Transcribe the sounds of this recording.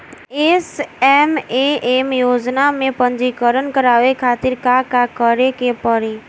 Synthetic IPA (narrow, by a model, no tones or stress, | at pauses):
eːsɛːmeeːmjoːd͡ʒnamẽpə̃nd͡ʒikəɾənkəɾaːʋekʰaːt̪ɪɾkakakəɾekepəɾiː